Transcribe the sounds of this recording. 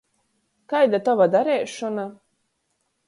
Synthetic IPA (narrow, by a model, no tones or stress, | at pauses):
kajd̪at̪ɔvad̪aɾɛːʃɔna